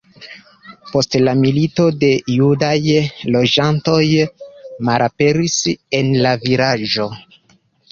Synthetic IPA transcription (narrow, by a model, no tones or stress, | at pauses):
po̞stlamilito̞de̞judajlo̞d͡ʒanto̞j | malape̞ɾise̞nlaviɾaʒo̞